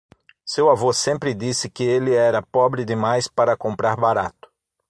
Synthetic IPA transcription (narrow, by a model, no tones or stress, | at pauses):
sewavosẽmpɾɪd̪isɪkɪelɪɛɾɐpɔbɾɪd̪ɪmajspaɾɐkõmpɾaɾbaɾat̪ʊ̥